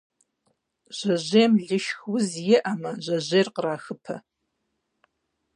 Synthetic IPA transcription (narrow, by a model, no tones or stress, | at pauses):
ʒ̥ɐʑeːmɮɪʃxwʊzjɪʔɐmɐʑʷɐʑeːrqəraːxɨpʰɐ̰